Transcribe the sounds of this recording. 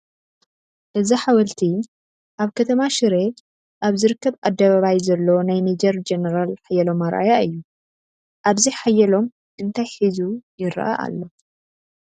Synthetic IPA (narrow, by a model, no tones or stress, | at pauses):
ʔɨziħawɐlt̪ʰi | ʔaβkʰɐt̪ʰɐmaʃɨɾe | ʔaβzɨɾɨkːɐβʔad̪ːɐβaβajzɐlːonajnid͡ʒɐɾd͡ʒenɐɾalħajɛlo̞maɾʔa̰jaɨjːu | ʔaβziħajːɐlo̞m | ʔɨnt̪ʰajħizujɪɾ̰ʔa̰ʔa̰lːo̞